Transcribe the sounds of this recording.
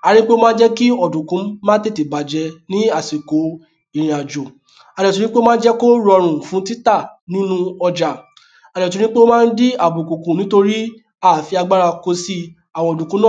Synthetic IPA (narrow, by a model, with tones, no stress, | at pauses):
a˨˧ɾĩ˦k͡pe˦o˦mãː˦d͡ʒɛ˦ki˦ɔ˨dũ˨kũ˨˦mãː˦te˦˨te˨ba˨d͡ʒɛ˧nĩ˨˦a˦˨si˨ko˨˦ | i˦˨ɾ̃ĩ˨a˨d͡ʒo˨ | a˨˧dɛ˨tu˧˦ɾĩ˦k͡pe˦mãː˦d͡ʒɛ˦ko˦ɾɔ˧ɾ̃ũ˨fũ˨˦ti˦ta˦˨nĩ˦nũ˦ɔ˧d͡ʒa˨ | a˨ɾɛ˨t̬u˧ɾ̃ĩ˦k͡pe˦o˦mãː˦˧n̩˦di˦a˨bu˨kũ˨kũ˨nĩ˨˦to˧ɾi˦ | a˦˨fi˧a˧ɡ͡ba˦ɾa˧ko˧si˧ | a˨w̃ɔ̃˧ɔ˨du˨kũ˨˦nã˦˨